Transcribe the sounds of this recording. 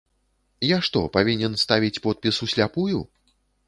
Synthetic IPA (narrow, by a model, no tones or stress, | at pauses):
jaʂt̪ɔ̰pavʲinʲɛnst̪avʲit͡sʲpɔt̪̚pʲisusʲlʲapuju